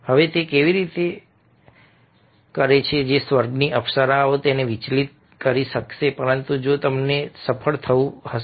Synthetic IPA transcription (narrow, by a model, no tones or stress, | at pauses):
həʋet̪ekeʋiɾit̪e | kəɾet͡ʃʰed͡ʒesʋəɾɡniʔəpsəɾaot̪eneʋit͡ʃlit̪̚ | kəɾiʃəkʃepəɾənt̪ũd͡ʒot̪əmnesəpʰəɭt̪ʰəũhə